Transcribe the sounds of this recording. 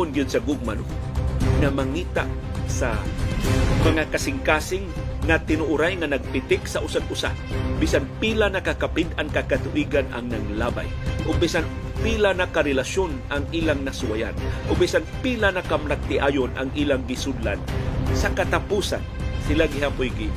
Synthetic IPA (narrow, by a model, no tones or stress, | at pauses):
ʊnɡʊd̪̚sɐɡʊɡ̚mano | ŋamɐŋiːt̪a̰ | sa̰ | mɐŋakɐsɪŋkaːsɪŋːat̪ɪnʊʔʊɾajŋanɐɡ̚pɪt̪ɪksaʔʊsaɡ̪̚ʔʊsa̰biːsanpilanɐkakapɪd̪ankakat̪ʊʔiːɡana̰ŋnaŋlaːba̰jʔʊɡ̚bisan | pilanakaɾɛlaʃjonʔaŋʔiːlaŋnɐsʊwaja̰nʔʊɡ̚bisanpilanakamnaɡ̚t̪ɪʔaːjonʔa̰ŋʔiːlaŋɡɪsʊd̪la̰nsɐkat̪apuːsa̰nsɪlaɡɪhapʊjɡi